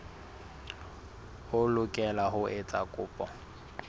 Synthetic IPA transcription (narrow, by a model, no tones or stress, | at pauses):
hʊlʊkʼɛlaɦʊʔet͡sʼakʼʊːpʼɔ